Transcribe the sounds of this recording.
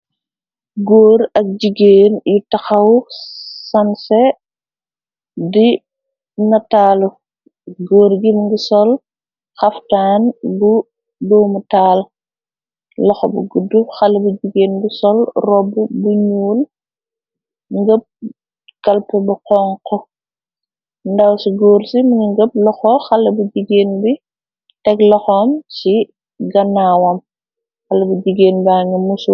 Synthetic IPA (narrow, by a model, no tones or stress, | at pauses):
ɡoːɾɐk̚d͡ʒiɡeːnjutɐxɐw | sɐnsɛ | di | nɐtaːlu | ɡoːɾɡimŋɡisɔl | xɐftaːnbu | doːmutaːl | lɐxɔbuɡudːuxɐlbuɟiɡeːnɡisɔlrɔbːubuɲuːl | ŋɡəp̚ | kɐlpɛbuqɔŋkɔ | ndɐwsiɡoːrsimuniŋɡəp̚lɔxɔxɐlːɐbuɟiɡeːnbi | tɛklɔxɔmsi | ɡɐnaːwɐm | xɐlɐbuɟiɡeːnbaːŋɡɐmusu